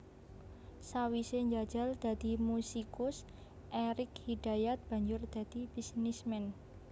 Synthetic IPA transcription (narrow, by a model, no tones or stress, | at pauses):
sawiseɲd͡ʒad̥d͡ʒ̥a̤ld̪̥a̤d̪̥i̤musikʊs | ʔeɾɪkhid̪̥ajat̪̚b̥a̤ɲd͡ʒʊrd̪̥a̤d̪̥ib̥isnismɛn